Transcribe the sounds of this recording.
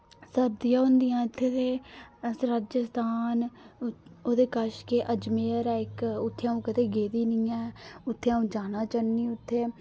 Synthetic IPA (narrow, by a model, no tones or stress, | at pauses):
səd̪ijãːʊnd̪ijãːɪt̪ʰːeːt̪eːsɾad͡ʒəst̪aːn | oːd̪eːkəʃkeʔəd͡ʒmeːəɾɛːɪkʊt̪ʰːeaːũːkət̪eːɡeːd̪iːnɪːãːʊt̪ʰːeãːũːd͡ʒaːnaːt͡ʃənːiːʊt̪ʰːeː